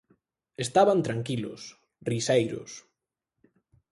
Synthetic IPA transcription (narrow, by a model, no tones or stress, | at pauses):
est̪aβant̪ɾaŋkilʊ̰s | risejɾʊ̰s